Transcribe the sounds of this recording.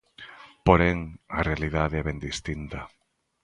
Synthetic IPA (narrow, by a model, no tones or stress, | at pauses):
poɾɛŋɐrealiðaðeɛβɛnd̪ist̪int̪ɐ